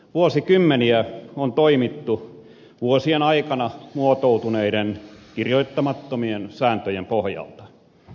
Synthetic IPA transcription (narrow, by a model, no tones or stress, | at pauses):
ʋuosikymːeniæont̪oimit̪ːu | ʋuosienɑikɑnɑmuot̪out̪uneiɾenkirjoit̪ːɑmɑt̪ːomiensæːnt̪øjempohjɑ̰lt̪ɑ̥